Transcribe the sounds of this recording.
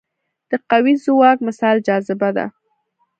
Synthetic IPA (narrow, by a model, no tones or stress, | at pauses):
d̪̥əqawizʊwɑkmɪsɑld͡ʒɑzɪbad̪a̰